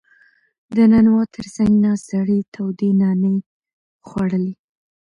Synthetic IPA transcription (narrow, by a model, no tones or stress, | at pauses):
d̪ənanwat̪ʰəɾzaŋnɑsaɽet̪ʰawd̪enɑne | xwaɽəli